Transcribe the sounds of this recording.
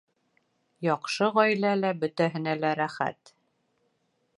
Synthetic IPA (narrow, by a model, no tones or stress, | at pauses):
jɒqʃɤʁɒjlælæbɵ̆t̪æɦɘ̆nælæɾæχæ̰t̪